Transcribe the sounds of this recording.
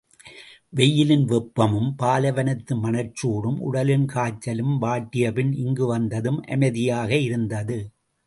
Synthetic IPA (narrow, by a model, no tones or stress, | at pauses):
ʋɛjːɪlɪnʋɛpːɐmɯmpaːlɐʋɐnɐt̪ːɯmɐnɐɾt͡ʃːoːɽɯmʔʊ̰ɽɐlɪnkaːt͡ʃːɐlɯmʋaːʈːɪjɐpɪnɪŋɡɯʋɐnd̪ɐðɯmʔɐ̰mɐðɪjaːɣɐɪɾɯnd̪ɐðɯ